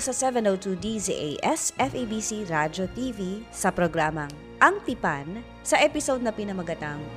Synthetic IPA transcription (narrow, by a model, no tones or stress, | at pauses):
sɐsɛvɛ̃nowt̪ud̪izḭʔejʔɛsɛfejbisiɾad͡ʒot̪ivisɐpɾoɡɾaːmɐŋ | ʔɐŋt̪ipan | sɐʔɛpɪsowd̪̚nɐpɪnɐmɐɡɐt̪aŋ